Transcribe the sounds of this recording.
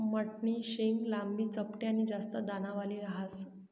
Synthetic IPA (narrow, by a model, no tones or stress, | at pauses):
məʈɳiːɕeŋɡlambiːt͡səpʈjaniːd͡zast̪əd̪anaʋaliːɾaɦas